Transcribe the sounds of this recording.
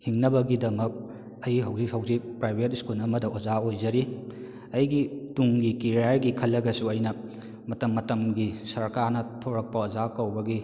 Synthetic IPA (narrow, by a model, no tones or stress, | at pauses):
hiŋnɐbɐɡidɐmɐk̚ | ɐjɦɐwzik̚hɐwzik̚pɾajbʰʱet̚iskulnɐmɐdɐozaojd͡ʒɐɾi | ɐjɡituŋɡikiɾajɾɡikʰɐlːɐɡɐsuɐjnɐ | mɐtɐmːɐtɐmɡisɐɾkaɾnɐtʰoɾɐk̚pɐozakɐwbɐɡi